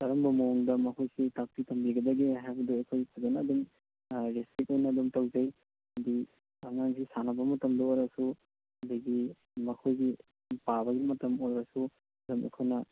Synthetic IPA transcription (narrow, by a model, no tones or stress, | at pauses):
tɐɾɐmbɐmoŋdɐmɐkʰojsitak̚pitʰɐmbiɡɐdɐɡiɦajbɐduejkʰojipʰazɐnɐːdum | ɾispɾit̚ojnɐːdumtɐwd͡ʒɐj | ɐdi | aŋaŋsisanɐbɐmɐtɐmdɐojɾɐsu | ɐdɐɡi | mɐkʰojɡi | pabɐɡimɐtɐmojɾɐsu | ɐdumḛkʰojnɐ